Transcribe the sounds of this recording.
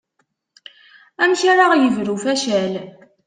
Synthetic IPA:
æmʃaɾaʁjəvɾufæʃæl

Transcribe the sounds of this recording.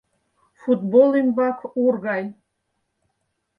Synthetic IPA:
fut̪bolˠimbakʷʰurɣaj

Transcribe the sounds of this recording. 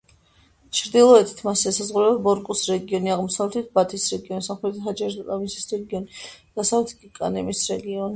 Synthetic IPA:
t͡ʃʰɾd̪ilˠɔɛt̪ʰt̪ʰmasɛsazʁuɾɛbabɔɾkʼusɾɛɡiɔniaʁmɔsavlɛt̪ʰit̪̚ʰbat̪ʰisɾɛɡiɔnisamχlɛt̪ʰad͡ʒɛɾd̪ɾʼavinsi̥sɾɛɡiɔnid̪̥asavɛt̪ʰɡikʼa̰nɛmisɾɛɡiɔni

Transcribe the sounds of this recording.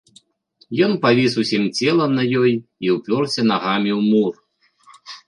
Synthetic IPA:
jɔnpavʲisusʲimt͡sʲɛlˠɐnɐjɔjiwpʲɔrsʲɛnaɣamʲiwmur

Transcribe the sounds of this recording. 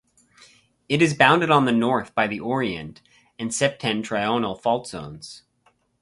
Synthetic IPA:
ɨɾɨzbãʊ̃ndɨɾn̩ðɨnɔɹθb̥aɪðiʔɔɹiɨ̰̃nt | ɨ̃nsɛp̚tʰɛ̃ntʰɹ̥aɪõʊ̃nl̩ˠfɔlˠtz̥õ̰ʊ̃nz̥

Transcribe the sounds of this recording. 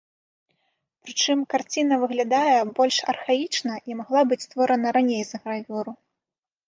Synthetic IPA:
pɾɨt͡ʂɨmkart͡sʲinɐvɨɣlʲad̪ajɛbɔlʲʂɐ̰rxait͡ʂnɐʔimaɣlˠabɨt͡sʲst̪vɔɾɐnɐɾanʲejzɐɣɾavʲuɾu

